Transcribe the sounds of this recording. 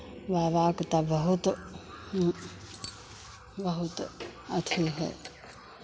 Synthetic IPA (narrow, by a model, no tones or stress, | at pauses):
ʋaːʋaːkt̪abəɦʊt̪ː | bəɦʊt̪ɐt̪ʰuɦɛ̰ː